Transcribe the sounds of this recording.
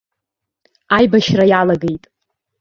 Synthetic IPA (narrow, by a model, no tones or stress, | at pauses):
ajbaʃrajalaɡe̞jtʼ